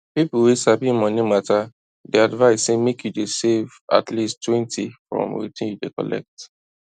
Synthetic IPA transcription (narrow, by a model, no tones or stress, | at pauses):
pipulwisabĩnmɔ̃nimata | dɛadvaɪsːemekjudeseva̰tlistwɛ̃ntʰifɹɔ̰̃mwḭtĩnjudḛkɔ̰lɛ̰k̚t